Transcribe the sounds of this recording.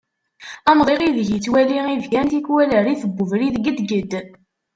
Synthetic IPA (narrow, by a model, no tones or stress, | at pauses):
æmʁˤiʁiðʝit͡sːwæliŋivɡænt̪ikwæləɾiθəbːəvɾiðɡəd̪ɡəd̪